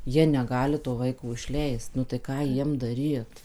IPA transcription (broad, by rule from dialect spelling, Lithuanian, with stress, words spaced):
ˈjiɛ nʲɛˈɡɑːlʲɪ toː ˈʋɐɪkoː ɪʃʲˈlʲɛɪst nʊ tɐɪ ˈkɑː ˈjiɛm dɐˈrʲiːt